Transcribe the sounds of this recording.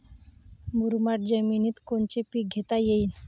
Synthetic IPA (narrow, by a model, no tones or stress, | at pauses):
bʱuɾmaʈ̚d͡ʑəminiːt̪kont͡ɕepiɡʱet̪ajein